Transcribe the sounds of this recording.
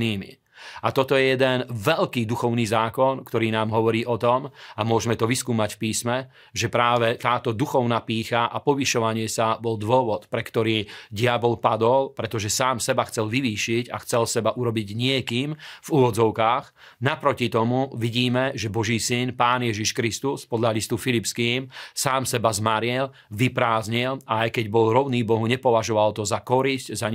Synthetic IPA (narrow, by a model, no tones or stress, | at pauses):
iːmḭ | at̪ɔt̪ɔjɛjɛd̪ɛnʋɛʎkiːd̪uxɔʊniːzaːkɔnkt̪ɔɾiːnaːmɦɔʋɔɾiːʔɔt̪ɔmamʊɔʒɛmɛt̪ɔʋiskuːmacfpiːsmɛ | ʒɛpɾaːʋɛt̪aːt̪ɔd̪uxɔʊnaːpiːxaʔapɔʋiʃɔʋaɲɪɛsabɔld̪ʋʊɔʋɔt̪pɾɛkt̪ɔɾiːɟɪabɔlpad̪ɔlpɾɛt̪ɔʒɛsaːmsɛbaxt͡sɛlʋiʋiːʃica̰xt͡sɛlsɛbaʔuɾɔbiɟɲɪɛkiːmvuʋɔd͡zɔʊkaːɣ | napɾɔcit̪ɔmuʋiɟiːmɛʒɛbɔʒiːsinpaːnjɛʒiʃkɾist̪uspɔd̪ʎalist̪ufilipskiːmsaːmsɛbazmaɾɪɛl | ʋipɾaːzɲilʔaajkɛɟbɔlɾɔʊniːbɔɦuɲɛpɔʋaʒɔʋalt̪ɔzakɔɾiscza